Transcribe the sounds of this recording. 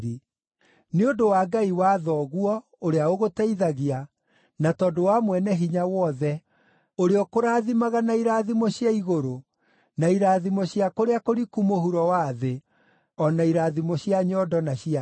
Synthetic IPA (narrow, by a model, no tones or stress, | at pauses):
i | neodowaːɡaiwaðɔɣwɔ | oɾeaoɣotɛiðaɣea | natɔdowamwɛnɛɦiɲawɔðɛ | oɾeɔkoɾaːðimaɣanaiɾaːðimɔɕjaiɣoɾo | naiɾaːðimɔɕiakoɾeakoɾikumohuɾɔwaːðe | ɔnaiɾaːðimɔɕjaɲɔdɔnaɕia